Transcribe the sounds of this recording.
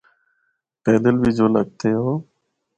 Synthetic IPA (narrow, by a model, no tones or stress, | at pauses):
pɛːd̪əlbʱiːd͡ʒoːləɡ̚t̪ʰeːɦoː